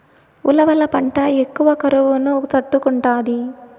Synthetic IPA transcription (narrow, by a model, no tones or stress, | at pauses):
ulɐʋɐlɐpɐɳʈɐekːuʋɐkɐɾuʋunut̪ɐʈːukuɳʈaːd̪i